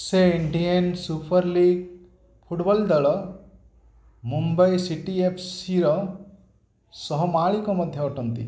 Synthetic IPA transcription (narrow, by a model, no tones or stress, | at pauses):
seiɳɖijɐnsupʰɐɾliːɡ̚ | pʰuʈbɔld̪ɐɭɔ | mumbɐjsiʈiepʰsiɾɔ | sɔɦɔmaːɭikomɐd̪ʱjɐɔʈunt̪ḭ